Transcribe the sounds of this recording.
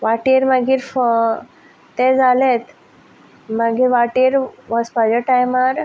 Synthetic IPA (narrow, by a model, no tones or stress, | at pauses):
ʋaʈiɾmaɡiːɾf | t̪ed͡zalet̪ | maɡiːɾʋaʈiɾʋɔspad͡ʑəʈajmaɾ